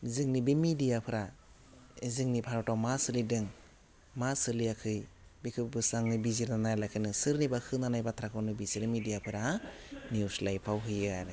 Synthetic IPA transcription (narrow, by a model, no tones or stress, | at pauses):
ziŋnibimidijapʰɯɾa | iziŋnipʰaɾɔtawmasɯlidɯŋ | masɯliakʰɯjbikʰɯbɯsaŋnɯbiziɾnanajlajkʰɯnɯsɯɾnibakʰɯnanajbat̪ʰɾakʰɔnɯbisiɾɯmidijapʰɯɾa | niuslajpʰawɦɯjɯaɾɯ